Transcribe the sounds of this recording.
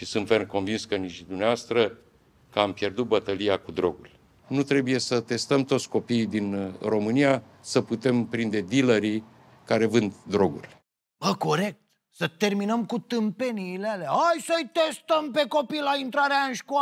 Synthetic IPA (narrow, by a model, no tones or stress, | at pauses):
ʃisɨnt̪vernko̞nvinskəniʃd̪umneavast̪ɾə | kəampje̞rd̪ut̪̚bət̪əliakud̪ɾo̞ɡulʲ | nut̪ɾe̞buje̞sət̪e̞st̪əmt̪o̞t̪sʲko̞piːd̪inro̞mɨnija | səput̪e̞mpɾind̪e̞d̪iləɾi | kaɾe̞vɨnd̪ːɾo̞ɡṵlʲ | bəko̞ɾe̞k̚t̪ | sət̪e̞rminəmkut̪ɨmpe̞niːlealeaɦajsəjt̪e̞st̪əmpe̞ko̞pilaint̪ɾaɾeaɨnʃkoa